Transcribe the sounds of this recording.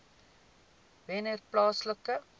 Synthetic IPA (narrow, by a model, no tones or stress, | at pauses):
vɛnɛrplɑːsləkə